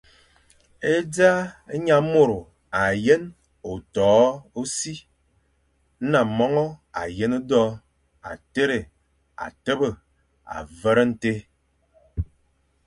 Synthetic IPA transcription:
e˦d͡za˦ɲa˨˦mo˦˨ɾo˨ | a˨je˦n | o˨tɔː˨˦o˦si˦ | na˨mɔ˦ŋɔ˦a̰˨je˦no˦dɔ˦ | a̰˨te˦ɾe˨ | a̰˨tə˦bə˦˨ | a̰˨və˦ɾə˦n̩˦te˦

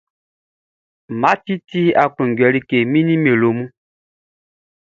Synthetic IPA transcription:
ma˨˦ti˦ti˦a˨ku˨ŋ˨ɡɥɛ˨li˦ke˨mi˦ni˦me˨lo˨mu˦

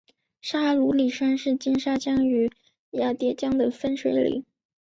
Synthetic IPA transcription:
ʂa˥lu˧˥li˨˩ʂa˥nʂɻ̩˥˩t͡ɕi˥nʂa˥t͡ɕjɑ˥ŋy˧˥ | ja˥˩t̪jɛ˥˩t͡ɕjɑ˥ŋd̪ə˨fə˥nʂʰwe˧˥ɪlḭ˧˩˥

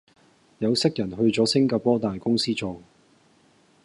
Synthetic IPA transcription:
jɐ˨˧wsɪ˥k̚jɐ˨˩nɦɵ˧ɥt͡sɔː˨˥sɪ˥ŋkaː˧pɔː˥t̪aː˨jkʊ˥ŋsiː˥t͡so˨ŋ

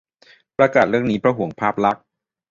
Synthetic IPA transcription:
pɾa˧kaː˨˩t̪̚ɾɯ˥˩əŋniː˦˥pʰɾa˦˥ɦu˨˩˦əŋpʰaː˥˩p̚la˦˥k̚

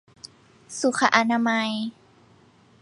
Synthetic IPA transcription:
su˨˦kʰa˧ʔa˧na˧ma˧j

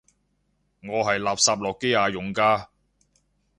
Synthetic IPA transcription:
ŋɔː˨˧ɦɐ˨jlaː˨p̚saː˧p̚lɔː˨kːe˥jaː˨˧jʊ˨ŋkaː˧˥

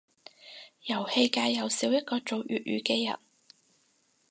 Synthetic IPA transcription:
jɐ˨˩whe˧jkaː˧jːɐ˨˧wsiː˨˥wjɐ˥t̚kɔː˧t͡ʃo˨˧wjy̰ː˨t̚ɥyː˨kɛː˧jɐ̰˨˩n

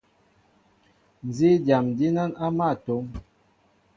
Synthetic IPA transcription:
n˨zi˦da˨mdi˦na˦na˦ma˦˨to˨˦ŋ

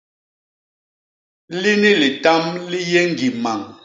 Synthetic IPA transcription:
li˦ni˦li˨ta˦mli˦jɛ˦ŋ˨ɡi˨ma˨ŋ

